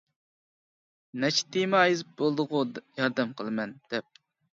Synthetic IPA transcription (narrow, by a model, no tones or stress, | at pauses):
nɛt͡ʃʰt̪imɑːjizɨp̚bolˠd̪ʊʁʊjɑɾd̪ɛmqʰəlˠɨmɛnd̪̥ɛp̚